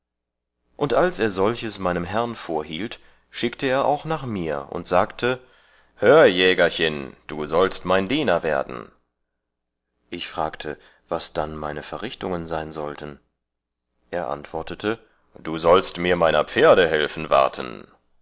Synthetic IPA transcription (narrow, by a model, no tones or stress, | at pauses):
ʔʊntʔalsʔeːɐzɔlçəsmaɪnəmɦɛʁnfoːɐɦḭːlt | ʃɪktʰəeːɐʔa̰ʊxnaːχmiːɐʔʊ̰ntz̥aːktʰə | høːɐjɛːɡɐçɪnd̥uːzɔlstmaɪndiːnɐveːɐdn̩ | ʔɪçfʁ̥aːktʰə | v̥asd̥anmaɪnəfɛɐʁɪçtʊŋənzaɪnzɔltʰən | ʔeːɐʔa̰ntv̥ɔɐtətʰə | d̥uːzɔlstmiːɐmaɪnɐ̰p͡feːɐɾəɦɛlfn̩va̰ɐtʰə̰n̩